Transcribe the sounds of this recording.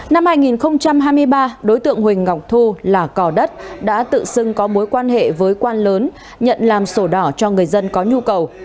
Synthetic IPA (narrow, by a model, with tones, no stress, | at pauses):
na˧mhaː˧jŋi˨˩nxə˧wŋ͡mt͡ɕa˧mɦaː˧jmɨ˧əjɓaː˧ɗo˨˦jt̪ɨ̰˧˨əŋhï˨˩ŋ̟ŋa˨˩wk͡p̚t̪ʰu˧laː˨˩kɔ˧˩ɗə˦˥t̚ɗa̰ː˧˥t̪ɨ̰˧˨sɨ˧ŋkɔ˨˦mo˨˦jkwaː˧nhḛ˧˨vəː˨˦jkwaː˧nləː˨˦n | ɲə̰˧˨nlaː˨˩mso˧˩ɗɔ˧˩t͡ɕɔ˧ŋɨ˨˩əjzə˧nkɔ˨˦ɲu˧kə˨˩w